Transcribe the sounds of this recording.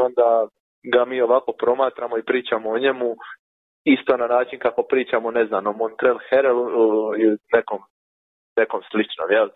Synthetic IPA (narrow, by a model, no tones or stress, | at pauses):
ond̪a | ɡamiːo̞ʋako̞pɾo̞maːt̪ɾamoipɾiːt͡ʃamooɲe̞mu | ist̪o̞nanaːt͡ʃinkako̞pɾiːt͡ʃamone̞znanomont̪ɾelxeɾeluinekom | ne̞ko̞mslit͡ʃno̰mjel